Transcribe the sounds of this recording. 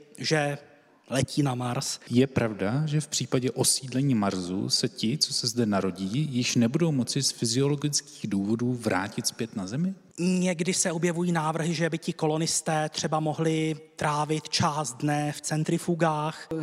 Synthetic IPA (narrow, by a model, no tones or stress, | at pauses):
ʒɛ | lɛciːnamaɾsjɛpɾavdaʒɛfpr̝̥iːpaɟɛʔo̞siːdlɛɲiːmaɾzṵsɛcɪt͡so̞sɛzdɛnaɾo̞ɟiːjɪʃnɛbudowmo̞t͡sɪsfɪzɪo̞lo̞ɡɪt͡skiːɣduːvo̞duːvɾa̰ːcɪt̪spjɛt̪nazɛmɪ | ɲɛɡdɪsɛobjɛvujiːnaːvr̩ɦɪʒɛbɪcɪko̞lo̞nɪst̪ɛːt̪r̥ɛbamo̞ɦlɪt̪ɾaːvɪt̪t͡ʃaːz̚dnɛft͡sɛnt̪ɾɪfuɡaːx